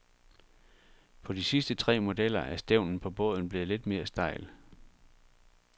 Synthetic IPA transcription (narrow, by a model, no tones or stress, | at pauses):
pʰɒ̽d̥isisd̥ət͡sʰʁɛ̰ːmo̝d̥el̰ɐʔæɐsd̥eʊ̰nn̩pʰɒ̽b̥ɔ̽ːð̞ˠn̩b̥le̝ːð̩ˠle̝d̥me̝ːɐsd̥ɑ̈ɪ̰l